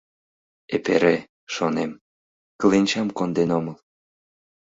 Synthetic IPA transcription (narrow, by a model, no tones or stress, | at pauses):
ḛpḛɾe | ʃonem | kəlinʲt͡ɕɑmkond̪enoməl